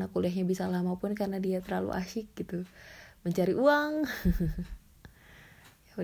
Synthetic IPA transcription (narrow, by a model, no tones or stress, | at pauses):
nakuliaɦɲabisalamapʊnkarnadiat̪ərlalṵʔa̰ʃɪk̚ɡit̪uməɲt͡ʃaɾiʔuaŋ